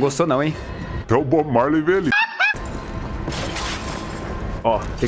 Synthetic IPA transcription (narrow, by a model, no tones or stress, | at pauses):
ɡost̪onɐ̃w̃ẽj̃ | t̪ɐ̃w̃bomaɾleveali | ɔk̪ẽ